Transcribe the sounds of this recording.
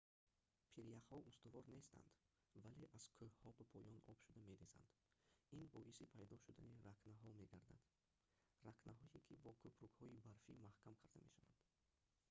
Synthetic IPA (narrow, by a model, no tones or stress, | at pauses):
pʰiɾijaqhɔʔust̪uvɔɾne̞st̪a̰nd̪ | vale̞ʔaz̥kʰɵhhɔbapʰɔjɔnɔb̥ʃud̪ame̞ɾesa̰nd̪̥ | inbɔisipʰajd̪ɔʃud̪aniɾakʰnaɦɔmeɡaɾd̪a̰d̪̥ | ɾaknʔaɦɔekʰibɔkʰupɾukhɔibaɾfimahkʰamkʰaɾd̪amḛʃava̰nd̪